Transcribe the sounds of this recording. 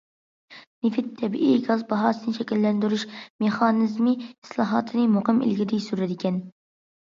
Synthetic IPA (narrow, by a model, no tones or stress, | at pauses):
nefɪt̪ʰːɛbḭʔiɡɑzbɑɦɑːsɨnɨʃʰɛkʲilːɛnd̪yɾyʃmeχɑːnɨzmii̥slˠɑɦɑːt̪ʰɨnɨmoqɨmḭlɡʲid̪ɪsyɾɪd̪ɪkʲɛn